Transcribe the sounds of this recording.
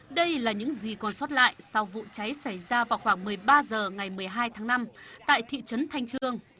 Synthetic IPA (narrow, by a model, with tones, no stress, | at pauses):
ɗə˧jlaː˨˩ɲɨ̰˧˥ŋzi˨˩kɔ˨˩nsɔ˦˥t̚la̰ː˧˨jsa˧wvṵ˧˨t͡ɕa˨˦jsa˧˩jzaː˧vaː˨˩wxwaː˧˩ŋmɨ˨˩əjɓaː˧zəː˨˩ŋa˨˩jmɨ˨˩əjɦaː˧jt̪ʰaː˨˦ŋna˧mt̪a̰ː˧˨jt̪ʰḭ˧˨t͡ɕə˨˦nt̪ʰa˧jŋ̟t͡ɕɨ˧əŋ